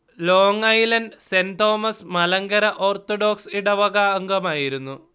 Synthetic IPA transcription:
loːŋɐjlɐnsent̪o̞ːmɐsmɐlɐŋɡɐɾɐʔo̞ːrt̪oɖo̞ːksiɽɐʋɐɣɐɐŋɡɐmaːjiɾunːu

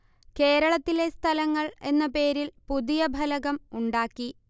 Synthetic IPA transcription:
ke̞ːɾɐɭɐt̪ːile̞st̪ʰɐlɐŋːɐɭe̞nːɐpe̞ːɾilpuðijɐbʱɐlɐɣɐmuɳɖaːkːi

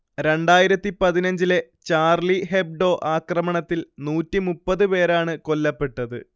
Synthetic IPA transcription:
ɾe̞ɳɖaːjiɾɐt̪ːipɐðinɐɲd͡ʑile̞ | t͡ɕaːrliɦeb̚ɖo̞ːʔaːkrɐmɐɳɐt̪ːilnuːtːimupːɐðɨpe̞ːɾaːɳɨko̞lːɐpːe̞ʈːɐðɨ̰

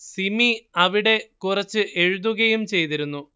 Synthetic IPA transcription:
simiɐʋiɽe̞kurɐt͡ɕːɨʔe̞ɻuðuɣɐjumt͡ɕe̞jt̪iɾunːu

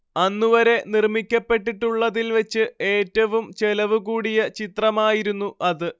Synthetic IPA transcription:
ɐnːuʋɐɾe̞nirmikʲːɐpːe̞ʈːiʈːuɭːɐðilʋe̞t͡ɕːɨe̞ːtːɐʋumt͡ɕe̞lɐʋukuːɽijɐt͡ɕit̪rɐmaːjiɾunːuʔɐðɨ

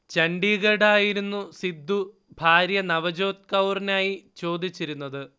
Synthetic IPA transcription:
t͡ɕɐɳɖiːɣɐɽaːjiɾunːusid̪ʱːu | bʱaːɾjɐnɐʋɐd͡ʑo̞ːt̪̚kɐwrinaːjit͡ɕo̞ːd̪it͡ɕːiɾunːɐðɨ

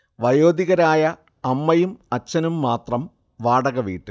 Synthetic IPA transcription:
ʋɐjoːd̪iɣɐɾaːjɐ | ɐmːɐjumɐt͡ɕːɐnumːaːt̪rɐm | ʋaːɽɐɣɐʋḭːʈːɨ

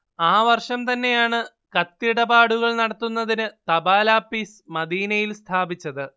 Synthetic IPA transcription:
aːʋɐrʂɐmt̪ɐnːe̞jaːɳɨ | kɐt̪ːiɽɐbaːɽuɣɐɭnɐɽɐt̪ːunːɐðinɨt̪ɐbaːlaːpːiːsmɐd̪iːnɐjilst̪ʰaːbit͡ɕːɐðɨ

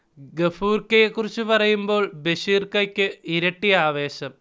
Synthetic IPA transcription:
ɡefuːrkːɐjekːurit͡ɕːupɐrɐjumbo̞ːɭbeɕiːrkɐkʲːɨiɾɐʈːijaːʋe̞ːɕɐm

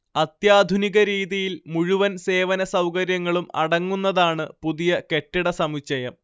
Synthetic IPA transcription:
ɐt̪jaːd̪ʱuniɣɐɾiːðijilmuɻuʋɐnse̞ːʋɐnɐsɐwkɐɾjɐŋːɐɭumɐ̰ɽɐŋːun̪ːɐðaːɳɨpuðijɐke̞ʈːiɽɐsɐmit͡ɕːɐjɐm

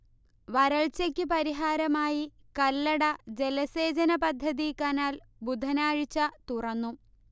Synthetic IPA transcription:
ʋɐɾɐɭt͡ɕɐkʲːɨpɐɾiɦaːɾɐmaːji | kɐlːɐɽɐd͡ʑe̞lɐse̞ːd͡ʑɐnɐpɐd̪ʱːɐðikɐnaːl | bud̪ʱɐnaːɻit͡ɕːɐt̪urɐnːu

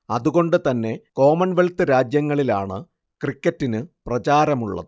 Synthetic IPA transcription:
ɐðuɣo̞ɳɖɨt̪ɐnːe̞ko̞ːmɐnʋeɭt̪ɨɾaːd͡ʑjɐŋːɐɭilaːɳɨ̰ | krikːɐtːinɨprɐt͡ɕaːɾɐmuɭːɐ̰ðɨ

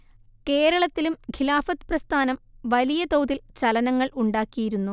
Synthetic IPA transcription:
ke̞ːɾɐɭɐt̪ːilumkʰilaːfɐt̪ːɨ̥prɐst̪ʰaːnɐmʋɐlijɐt̪owd̪ilt͡ɕɐlɐnɐŋːɐɭʔuɳɖaːkːijiɾunːu

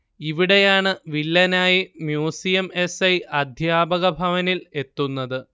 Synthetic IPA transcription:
iʋiɽe̞jaːɳɨʋilːɐnaːjimjuːsijɐme̞sɐjʔɐd̪ʱjaːbɐɣɐbʱɐʋɐnile̞t̪ːunːɐðɨ

